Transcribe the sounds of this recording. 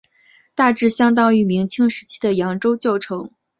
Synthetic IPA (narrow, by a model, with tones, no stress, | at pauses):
t̪a˥˧ʈ͡ʂɻ̩˥˩ɕjɑ˥ŋt̪ɑ˥ŋy˧˩mi˧˥ŋt͡ɕʰi˥ŋʂɻ̩˧˥t͡ɕʰi̥˥d̪ə˨jɑ˧˥ŋʈ͡ʂo˥ʊt͡ɕjo˥˩ʊʈ͡ʂʰɤ˧˥ŋ